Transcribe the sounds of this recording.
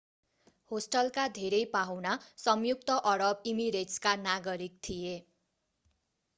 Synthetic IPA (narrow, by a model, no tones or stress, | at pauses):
hosʈʌlkad̪ʱeɾʌjpaɦwnasʌmjuk̚t̪ʌʔʌɾʌbimiɾeʈskanaɡʌɾik̚t̪ʰije